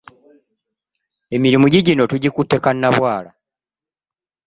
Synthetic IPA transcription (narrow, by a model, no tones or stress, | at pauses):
e̞miɾimuɟiɟino̞tuɟikutːe̞kanːaβwaːla